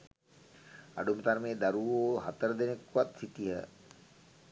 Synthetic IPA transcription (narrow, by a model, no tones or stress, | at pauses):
a̰ɖumət̪aɾmeːd̪aɾuʋoːɦat̪əɾəd̪enekʋat̪sit̪iɦə